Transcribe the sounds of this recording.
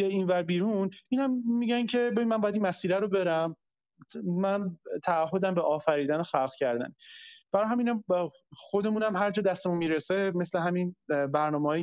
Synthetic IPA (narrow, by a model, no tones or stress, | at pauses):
eiːnvæɾbiːɾuniːnæmːiɟæncʰe̞be̞binmænbɔjæd̪inmæsiːɾæɾobe̞ɾæm | mænt̪ʰæːɦːod̪æmbeʔɒːfæɾiːd̪ænoxælχcʰæɾd̪æ̰nb̥æɾɒjɦæminæ | xo̞d̪e̞muːnæmɦæɾd͡ʒɒːd̪æst̪emunmiɾeseme̞sleɦæminbæɾnɒːmeɒ